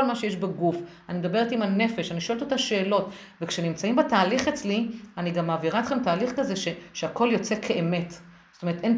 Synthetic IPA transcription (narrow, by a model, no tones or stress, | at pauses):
olmaʃejeʃbeɡuf | animed̪abe̞ʁet̪imane̞fe̞ʃaniʃoelt̪ot̪aʃe̞ːlo̞t | vekʃenimt͡saimbetaːliχet͡slianiɡamːaːviʁaet̪χemtaːliχkaze̞ʃeʃeako̞ljo̞t͡se̞kʰe̞ʔeme̞t | zotoe̞ʁeten